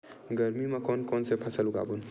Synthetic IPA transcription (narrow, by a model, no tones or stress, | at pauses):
ɡəɾmimakɔnkɔnsepʰasəluɡa̰bun